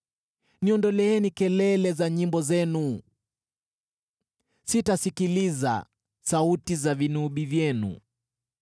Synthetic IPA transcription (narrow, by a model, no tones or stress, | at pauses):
niɔndɔlɛɛnikɛlɛlɛzaɲimbɔzɛnu | sitasikiliza̰ | sautizavinuɓivjɛnṵ